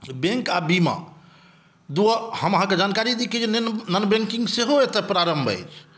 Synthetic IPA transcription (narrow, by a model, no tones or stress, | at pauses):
bẽŋkabima̰ | d̪uəhəməɦãked͡ʒankaɾid̪iked͡ʒennənbẽŋkĩŋɡseɦoet̪əpɾaɾəmbʱə̰jt͡ʃʰ